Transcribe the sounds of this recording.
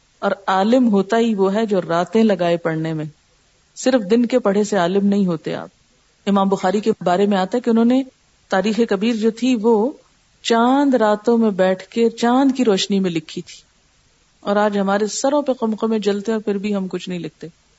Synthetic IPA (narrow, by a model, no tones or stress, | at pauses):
ɔːɾaːlɪmɦoːt̪aɦiʋoːɦɛd͡ʒoːɾaːt̪ẽlɐɡaːepɐɽnemẽ | sɪɾfd̪ɪnkepɐɽ̤eseaːlɪmnɐɦĩɦoːt̪ea̰ːp̚ | ɪmaːmbʊxaːɾikebaːɾemẽaːt̪aɦɛkeʊnɦõːne | t̪aːɾiːxekɐbiːɾd͡ʒoːt̪ʰiʋo | t͡ʃãːnd̪ɾaːt̪õmẽbɛːʈʰket͡ʃãːnd̪kiɾɔːʃnimẽlɪkʰːit̪ʰi̥ː | ɔːɾaːd͡ʒɦɐmaːɾesɐɾõpeqʊmqõmẽd͡ʒɐlt̪ẽɔːɾfʰɪɾbʱiɦɐmkʊt͡ʃʰnɐɦĩlɪk̚t̪e